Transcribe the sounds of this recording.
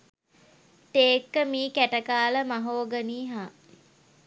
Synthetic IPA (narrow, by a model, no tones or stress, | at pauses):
t̪eːkːəmiːkæʈəkaːləmaɦoːɡəniːɦaː